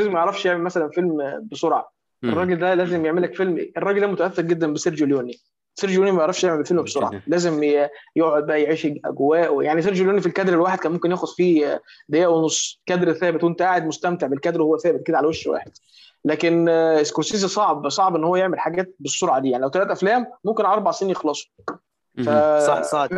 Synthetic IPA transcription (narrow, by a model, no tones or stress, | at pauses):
æzimæjeʕɾˤɑfʃjeʕmelmæsælænfelmbesˤoɾˤʕɑ̰ | ʔerˤːɑːɡeld̪ælæːzemjeʕmelækfelmʔerˤɑːɡeld̪æmot̪æʔæθːeɾɡed̪ːænbeseɾd͡ʒoljoːni | seɾd͡ʒljoːnimæjeʕɾˤɑfʃjeʕmelfelmbesˤoɾˤʕɑ̰læːzemjoʕod̪̚bæʔjeʕiːʃʔæ̰ɡowæːʔwjaʕniseɾd͡ʒoljoːnifilkæd̪ɾelwaːħed̪kænmomkenjæːxod̪̥fiːd̪ejʔæʔwenosˤːkæd̪ɾθæːbet̪went̪æʔaːʕed̪most̪æmt̪eʕbelkæd̪ɾwhowːæθæːbet̪̚ked̪æʕalæweʃwæ̰ːħed̪̥̚ | læːkeneskoɾsiːzisˤɑʕbsˤɑʕbʔenːhowːæjeʕmelħaɡæːt̪̚besːoɾˤʕɑd̪iːaʕnilæwt̪ælæːt̪ʔæflæːmːomkenʕlɑɾˤbɑʕsenjexlɑːsˤo̥ | fæ